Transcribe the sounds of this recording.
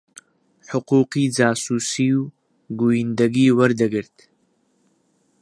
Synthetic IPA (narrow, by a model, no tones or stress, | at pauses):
ħʊquːqiːd͡zaːsuːsiw | ɡujind̪ɐɡiːwɐɾd̪ɨɡɨɾt̪ʰ